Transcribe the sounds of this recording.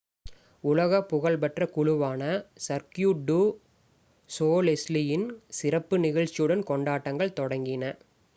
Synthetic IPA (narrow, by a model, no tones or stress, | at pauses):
ʊlɐɣɐpːʊɣɐɭpɐʈrɐkʊɻʊʋaːnɐsɐɾkjuːɖu | soːlɛslɪjɪnsɪɾɐpːɯnɪɣɐɭt͡ʃːɪjɯɽɐnkɔɳɖaːʈːɐŋɡɐɭt̪ɔɽɐŋɡɪnɐ